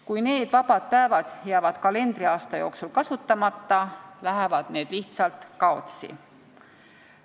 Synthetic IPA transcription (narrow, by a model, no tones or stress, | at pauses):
kujne̞ːd̪̥vɑb̥ɑd̪̥̚pæevɑd̪̥jæːvɑd̪̥kɑle̞nd̪riɑːst̪ɑjo̞ːksulkɑsut̪ːɑmɑt̪ːɑlæɦevɑd̪̥ne̞ːd̪̥liht̪sɑlt̪kɑo̞̰t̪sḭ